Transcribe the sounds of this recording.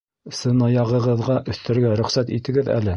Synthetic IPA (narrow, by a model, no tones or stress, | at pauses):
sɤ̆nɑjɑʁɤ̆ʁɤ̆ðʁɑʔɵ̆θt̪ɘ̆ɾɡæɾɵ̆χsæt̪ḭt̪ɘ̆ɡɘðæ̰lɘ